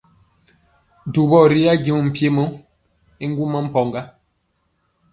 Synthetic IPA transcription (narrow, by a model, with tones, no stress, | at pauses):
du˨bɔ˦˨ɾi˦a˦ɡi˨m̩˨pje˦mo˦ | i˦ŋ̩˦ɡu˦mɔ˦m̩˦pɔ˨ŋɡa˦